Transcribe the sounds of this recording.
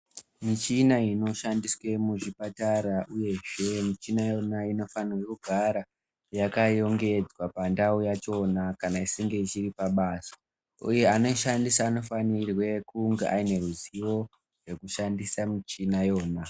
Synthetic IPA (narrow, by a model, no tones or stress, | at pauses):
mit͡ʃinaino̞ʃandiswe̞muʐipataɾaʔuje̞ʐe̞mit͡ʃinajo̞naino̞fanwekuɡʱaɾa | jakajo̞ŋɡe̞d͡zwapandaujat͡ʃo̞nakanaisiŋɡe̞it͡ʃiripaɓasḁ | uje̞ano̞ʃandisaːno̞fanirwe̞kuŋɡeʔaine̞ruziwo̞ | rwe̞kuʃandisamit͡ʃinajo̞ːna